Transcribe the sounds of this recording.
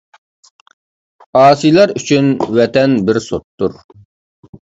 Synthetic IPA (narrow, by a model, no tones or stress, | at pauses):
ɑːsijlˠɑɾyt͡ʃʰynwɛt̪ɛnbɪɾsot̪ːuɾ